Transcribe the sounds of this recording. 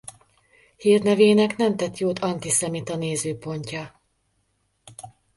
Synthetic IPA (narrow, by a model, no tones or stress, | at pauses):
hiːrnɛveːnɛknɛmt̪ɛt̪joːt̪ʰɒnt̪isɛmit̪ɒneːzøːpo̞ɲcɒ